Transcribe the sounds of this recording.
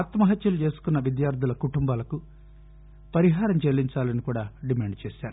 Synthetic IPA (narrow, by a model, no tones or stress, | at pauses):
at̪mɐɦɐt̪jɐlut͡ʃe̞ːsu̥kunːɐʋid̪jaːɾd̪ʱulɐkuʈumbaːlɐku | pɐɾiɦaːɾɐmt͡ʃelːiɲt͡ʃaːlɐnikuːɽaːɖimaːɳɖt͡ʃeːsaːɾu